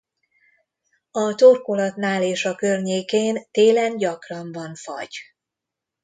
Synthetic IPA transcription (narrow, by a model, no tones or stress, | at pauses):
ɒt̪orkolɒt̪naːleːʃɒkørɲeːkeːnt̪eːlɛnɟɒkrɒɱvɒɱfɒ̰ɟ̥